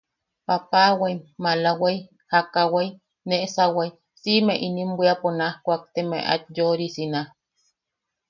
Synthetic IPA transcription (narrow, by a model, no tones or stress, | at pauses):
papawajmalawaj | hakawaj | neʔsawaj | simeʔinimbʷiaponahkʷak̚t̪emḛʔa̰t̪̚joɾisinah